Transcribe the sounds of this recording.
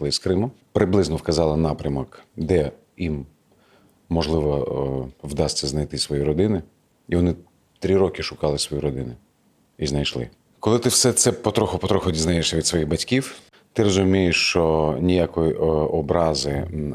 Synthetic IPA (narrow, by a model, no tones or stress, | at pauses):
lˠɪskɾɪmʊpɾɪblˠɪznɔwkɐzɑlˠɪnɑpɾʲɐmɔkd̪ɛ | im | ɔʒlˠɪʋɔ | wd̪ɑsʲt͡sʲːɐznɐjt̪ɪsʋɔjiɾɔd̪ɪnɪ | iʋɔnɪ | t̪ɾʲiɾɔkɪʃʊkɑlˠɪsʋɔjuɾɔd̪ɪnʊ | iznɐjʃlˠɪ̰ | kɔlˠɪt̪ɪwsɛt̪sɛpɔt̪ɾɔxʊpɔt̪ɾɔxʊdʲiznajeʃsʲɐʋʲid̪sʋɔjiɣbɐtʲkʲiw | t̪ɪɾɔzʊmʲijɪʃt͡ʃɔnʲijakɔjiɔbɾɑzɪ